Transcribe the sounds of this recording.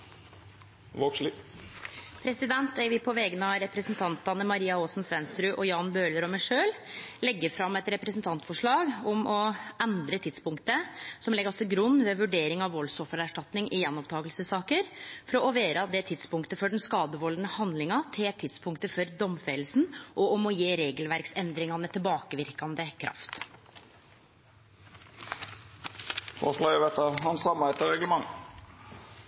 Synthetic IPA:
ʋoʂ | pʰɾɛsɪd̪ɛnt̪ɛɪʋɪpʰɔʋɛɡənəɑɾɛpɾəsnt̪ʰɑnt̪ɑnəmɑɾiːɑoːsn̩sʋɛnsɾʉʔɔjɑːnbøːləɾɔmɛɪʂøːllɛɡːəɾfɾɑmːɛt̪ɾɛpɾəsnt̪ʰɑnt̪fɔʂɭɑːɡʊmɔɛnd̪ɾət̪ʰɪt̪spʊŋkt̪əsɔmɛɡəɾɔsɔɡɾʉnːʋɛʋʉɖeːɾɪŋɑʋːɔlsɔfːəɾæʂʈɑt̪nɪŋʔɪjɛnːɔpt̪ʰɑːɡəlsəsɑːkəɾfɔɾɔɔʋeːɾɑd̪ɛt̪ʰɪd̪spʊŋkt̪əfɔɖɛnskɑːd̪əʋɔld̪nəhɑnd̪lɪŋɑt̪ʰɪlt̪ʰɪt̪spʰʊŋkt̪əfɔɾd̪ɔmfɛːlsn̩ʔɔɔmɔjeːɾeːɡəlʋæɾksɛnd̪ɾɪŋɑnət̪ʰɪlbɑːkəʋɪɾkɑnd̪əkʰɾʔɑ̰ft̪ | t̪ʰɔʂlɑʋɛt̪əɦɑnsɑmɑɛt̪əɾɛɡləmɑŋ

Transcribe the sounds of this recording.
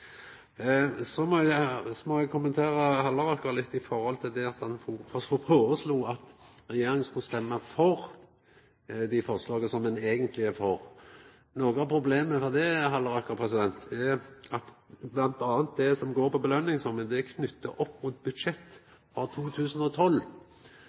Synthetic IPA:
sɔmɔsɔmɔɛɡ̚kʰʊmːənt̪ʰeːɾɑhɑlːɑɾɑkːəɾlɪt̪ːɪfɔɾhɔlt̪ʰɪld̪ɛɑt̪dɑnfɔfɔfɔpʰoːsluːɑt̪ɾɛjeːɾɪŋənskʊst̪ɛmːɑfɔɾ | d̪ɪfɔʁslɑːɡəsɔmɛneːɡənt̪ʰlɪɛfɔʁ | noːɡəɑpʰɾʊbleːməfɔɾd̪ɛɦɑlːɑɾɑkːəɾpʰɾɛsɪd̪ɛnt̪ɛʔɑt̪blɑnt̪ɑːnt̪̚d̪ɛsɔmɡoːɾpʰɔbəlœnːɪŋsɔməd̪ɛkʰnʏt̪ːəʔɔpːmuːt̪̚bʉd̪ʃɛt̪ː | fɔɾt̪ʰuːt̪ʰʉːsən̩ɔt̪ʰɔlː

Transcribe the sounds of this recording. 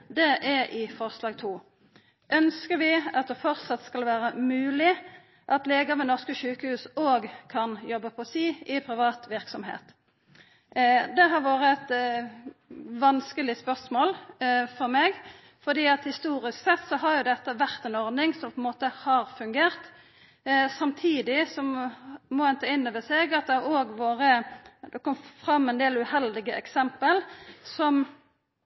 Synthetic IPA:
d̪ɛʔɛʔɪfɔʁslɑːɡ̚t̪ʰuː | ʔœnskəɾʋɪɑt̪̚d̪ɛfɔʁsɑt̪skɑlʋæːɾəmʉːlɪ | ʔɑt̪leːɡəmɛnɔʁskəʃʉːkəhʉːsoːɡkʰɑnjɔbːəpʰɔsiːɪpʰɾɪʋɑːt̪ʋɪʁksɔmhḛːt̪ | d̪ɛɦɑʁʋɑːʁəɛt̪ | ʋɑnskəlɪspœʁsmoːlfɔɾmɛɡ | fɔd̪iːɑt̪hɪst̪uːɾɪsksɛt̪ːsɔɦɑɾjʊd̪ɛt̪ːəʋæʁt̪ɛnɔʁd̪nɪŋsɔmpʰɔɛnmoːt̪əhɑːɾfʉŋɡeːɾt̪ | sɑmt̪ʰiːd̪ɪsɔmmɔɛnt̪ɑɪnːɔʋəsɛɡɑt̪̚d̪ɛæɾoːɡʋoːɾəd̪ɛkɔmːfɾɑmːɛnd̪eːlʉhɛld̪ɪɡəʔɛ̰ksɛmpəlsɔm

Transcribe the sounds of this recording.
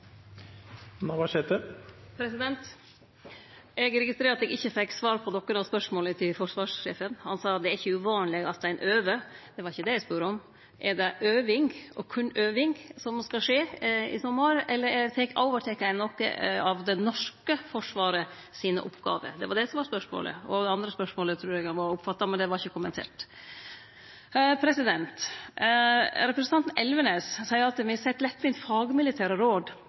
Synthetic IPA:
nɑʋɑʂɛt̪əpʰɾɛsɪd̪ɛnt̪ | ʔɛɡɾɛɡɪst̪ɾeːɾɑt̪ɛɡɪçːəfɛkːsʋɑːɾpʰɔnɔkːənɑspœʂmoːlət̪ʰɪlfɔʂʋɑːʂʂeːfənhɑnsɑːd̪ɛæɾɪçːəʉʋɑːnlɪɡɑt̪st̪æɪnʔøːʋəd̪̥ɛʋɑɾɪçːəd̪ɛæɪspʉːɾəɔm | ʔɛɖɛʔøːʋɪŋɡʔɔ̰kʰʉnːøːʋɪŋɡsɔmskɑʂeːɪ̰sɔmːɑɾɛlːəɾɛt̪ʰɛkːo̰ʊʋəʈ̪ʰɛkːæɪnɔkːɑʋd̪ɛnɔʂkəfɔʂʋɑːɾə | siːnə̰ʔʊ̰pːɡɑ̰ːʋə̰d̪ɛʋɑɖɛsɔmʋɑɾspœʂmo̰ːlə̰ɔd̪ɛɑnd̪ɾəspœʂmoːlət̪ʰɾʉːɾɛɡɑʋɑɾʊpːfɑt̪ːɑmɛnd̪ɛʋɑɾɪçːəkʰʊmːənt̪ʰḛːʈ | pʰɾɛsɪd̪ɛnt̪ | ɾɛpɾəsnt̪ɑnt̪n̩ɛlʋənessæɪəɾɑt̪ʋɪsɛt̪ːlɛt̪ːʋɪnt̪fɑːɡmɪlɪt̪ʰæːɾəɾoːd̪

